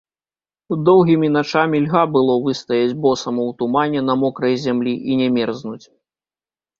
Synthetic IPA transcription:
d̪ɔwɣʲimʲinat͡ʂamʲilʲɣabɨlˠɔvɨst̪ɐjɐd͡zʲbɔsɐmɔwt̪umanʲɛnɐmɔkɾɐjzʲamlʲiʔinʲɛmʲɛrznut͡sʲ

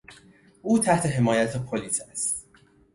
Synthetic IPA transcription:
ʔuːt̪ʰæht̪ʰe̞ɦe̞mɒːjæt̪ʰepʰoliːsæst̪

